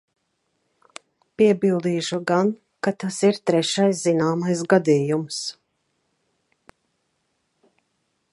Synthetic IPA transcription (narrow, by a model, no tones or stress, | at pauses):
piɛbilˠd̪iːʃuɡan | kat̪asiɾt̪ɾɛʃajszinaːmajsɡad̪iːjums